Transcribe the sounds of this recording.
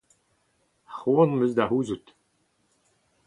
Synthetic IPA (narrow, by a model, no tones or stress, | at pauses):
χunmɵzd̪aɦuːzut̪